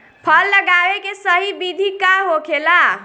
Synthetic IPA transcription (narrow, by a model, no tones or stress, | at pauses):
pʰəlːəɡaʋekesəɦibid̪ʱikaɦokʰela